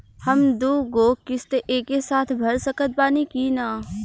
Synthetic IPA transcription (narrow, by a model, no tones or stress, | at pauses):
hɐmd̪oːɡoːkɪst̪eʔeːkesaːt̪ʰbʱɐɾsəkət̪̚baːnikiːnaː